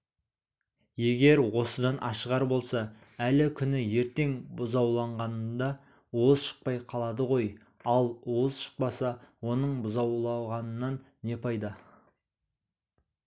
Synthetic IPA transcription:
je̞ɡʲe̞ɾwo̞səd̪ɑnʔɑʃəʁɑɾbo̞lˠsɑ | ælɪkʲʰʏnɪje̞ɾt̪e̞ŋbʊzɑwlˠɑɴʁɑnənd̪ɑ | wozʃə̥q̚pɑjqʰɑlˠɑd̪əʁo̞j | ɑlˠwozʃə̥q̚pɑsɑwo̞nəɴbʊzɑwlˠɑʁɑnənːɑnːe̞pʰɑjd̪ɑ

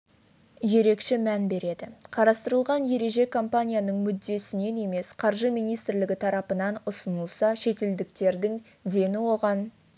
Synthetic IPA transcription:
je̞ɾe̞kʃɪmænbe̞ɾe̞d̪ɪqʰɑɾɑst̪əɾəlˠʁɑnje̞ɾe̞ʒe̞kʰo̞mpanʲijanəɴmʏd̪ːe̞sɪne̞ne̞me̞sqʰɑɾʒəmijnijst̪ɾlɪɡʲɪt̪ʰɑɾɑpənɑnʊsənəlˠsɑʃe̞t̪e̞ld̪ɪk̚t̪e̞ɾd̪ɪŋ | d̪e̞nɪwo̞ʁɑn

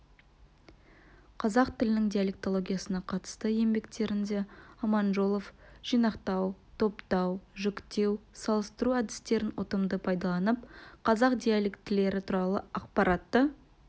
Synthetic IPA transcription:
qʰɑzɑqt̪ʰɪlɪnɪŋd̪ijalʲek̚t̪o̞lˠo̞ɡʲijasənɑqʰɑt̪ə̥st̪əje̞mbe̞kt̪e̞ɾɪnd̪e̞ɑmɑnʒolˠofʒ̥ijnɑqt̪ɑwt̪ʰo̞pt̪ɑwʒʏkt̪e̞wsɑlˠəst̪əɾuæd̪ɪst̪e̞ɾɪnwo̰t̪əmd̪əpʰɑjd̪ɑlˠɑnəp̚qʰɑzɑqd̪ijalʲekt̪ːɪle̞ɾɪt̪ʰuɾɑlˠəɑqpɑɾʔɑt̪ːə

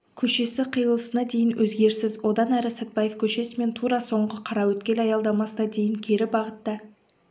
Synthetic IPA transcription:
kʲʰɵʃe̞sɪqʰijəlˠəsənɑd̪e̞jɪnwʔɵzɡʲe̞ɾsɪzwo̞d̪ɑnæɾɪsæt̪̚bɑjefkʲʰɵʃe̞sɪme̞nt̪ʰuɾɑso̞ɴʁəqʰɑɾɑwɵt̪kʲe̞lɑjɑlˠd̪ɑmɑsənɑd̪e̞jɪŋkʲʰe̞ɾɪbɑʁət̪ːɑ

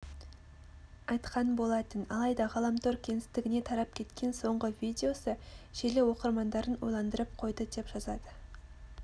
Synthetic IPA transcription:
ɑjt̪qʰɑnbo̞lˠɑt̪ənɑ̰lˠɑjd̪ɑʁɑlˠɑmt̪ʰoɾkʲʰe̞nɪst̪ɪɡʲɪne̞t̪ʰɑɾɑp̚kʲʰe̞t̪kʲʰe̞nso̞ɴʁəvijd̪ʲeo̞səʒ̥elewo̞qəɾmɑnd̪ɑɾənwo̰jlˠɑnd̪əɾəp̚qʰo̞jd̪əd̪e̞pʒɑzɑd̪ə

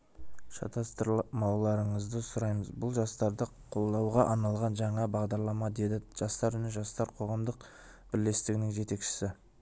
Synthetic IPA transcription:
ʃɑ̰t̪ʰɑst̪əɾmɑwlˠɑɾəɴəzd̪əsʊɾɑjməzbʊlˠʒɑst̪ɑɾd̪əqʰo̞lˠd̪ɑwʁɑʔɑnɑlˠʁɑnʒɑɴɑbɑʁd̪ɑɾlˠɑmɑd̪e̞d̪ɪʒ̥ɑst̪ɑɾʏnɪʒɑst̪ɑɾqʰo̞ʁɑmd̪əq | b̥ɪɾle̞st̪ɪɡʲɪnɪŋʒe̞t̪e̞kʃɪ̥sɪ

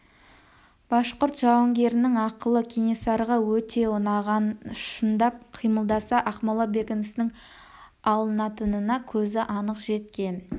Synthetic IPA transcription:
b̥ɑʃqʊɾt̪ʒɑwəŋɡʲe̞ɾɪnɪŋɑqəlˠəkʲʰinisɑɾʁɑwɵt̪e̞ʊnɑʁʃənd̪ɑp̚qʰijməlˠd̪ɑsɑʔɑqmɑlˠɑbe̞kʲɪnɪsnɪŋ | ɑlˠənɑt̪ənənɑkʲʰɵzɪʔɑnəqʒe̞t̪̚kʲe̞n

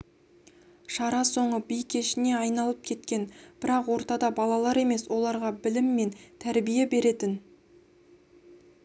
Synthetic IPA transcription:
ʃɑɾɑso̞ɴəbijkʲʰe̞ʃɪne̞ɑjnɑlˠəp̚kʲʰe̞t̪kʲe̞nb̥ɪɾɑqwo̞ɾt̪ɑd̪ɑbɑlˠɑlˠɑɾe̞me̞swo̞lˠɑɾʁɑbɪlɪmːe̞nt̪ʰæɾbije̞be̞ɾe̞t̪ɪn

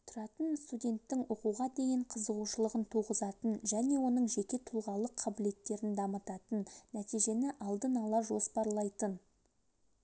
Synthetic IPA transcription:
t̪ʰʊɾɑt̪ənst̪udʲe̞nt̪ːɪŋwoquʁɑd̪e̞jɪɴqʰəzəʁuʃəlˠəʁənt̪ʰuʁəzɑt̪ənʒæne̞wo̞nəɴʒe̞kʲe̞t̪ʰʊlˠʁɑlˠəqʰːɑbɪle̞t̪ːe̞ɾɪnd̪ɑmət̪ɑt̪ənːæt̪ijʒe̞nɪʔɑlˠd̪ənɑlˠɑʒo̞spɑɾlˠɑjt̪ən

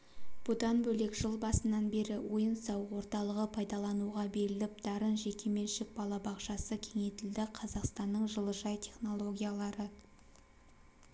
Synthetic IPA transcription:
b̥ʊd̪ɑnbɵle̞kʒ̥əlˠbɑsənːɑnbe̞ɾɪwo̞jənsɑwwo̞ɾt̪ɑlˠəʁəpʰɑjd̪ɑlˠɑnuʁɑbe̞ɾɪlɪp̚d̪̥ɑɾənʒe̞kʲʰe̞me̞nʃɪk̚bɑlˠɑbɑqʃɑsəkʲʰe̞ŋe̞t̪ɪld̪ɪqʰɑzɑqst̪ɑnːəɴʒəlˠəʒɑjt̪ʰe̞χno̞lˠo̞ɡʲijalˠɑɾə

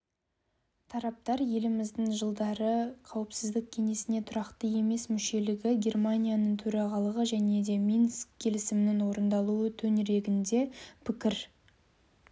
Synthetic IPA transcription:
t̪ʰɑɾɑp̚t̪ɑɾje̞lɪmɪzd̪ɪŋʒəlˠd̪ɑɾəqʰɑwɪpsɪzd̪ɪk̚kʲʰe̞ŋe̞sɪne̞t̪ʰʊɾɑqt̪əje̞me̞smʏʃe̞lɪɡʲɪɡʲe̞rmanʲijanəɴt̪ʰɵɾɑʁɑlˠəʁəʒæne̞d̪e̞minskkʲʰːe̞lɪsɪmɪnɪnwo̞ɾənd̪ɑlˠuət̪ʰɵnɪɾe̞ɡʲɪnd̪e̞pʰɪkʲɪɾ

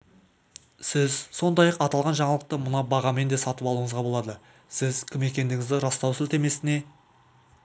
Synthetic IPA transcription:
sɪzso̞nd̪ɑjɑqɑt̪ɑlˠʁɑnʒɑɴɑlˠəq̚t̪əmʊnɑbɑʁɑme̞nd̪e̞sɑt̪əpɑlˠuɴəzʁɑbo̞lˠɑd̪ə | sɪzkʲʰɪme̞kʲe̞nd̪ɪŋʲɪzd̪ɪɾɑst̪ɑwsʏlt̪e̞me̞sɪne̞

